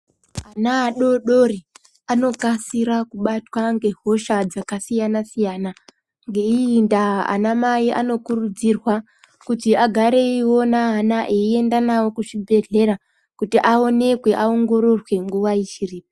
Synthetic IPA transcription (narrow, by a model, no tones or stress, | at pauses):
anaːɗo̞ɗo̞ri | ano̞kasiɾakuɓatwaŋɡe̞ɦo̞ʃad͡zakasijanasijaːna | ŋɡe̞iːndaa̰namaiʔano̞kurud͡zirwa | kutiaɡʱaɾe̞iwo̞naːnaʔeie̞ndanawo̞kuʂibʱe̞ɮe̞ɾa | kutiʔao̞ne̞kwe̞ʔao̞ŋɡo̞ɾo̞rwe̞ŋɡuʋaiʃiriːpa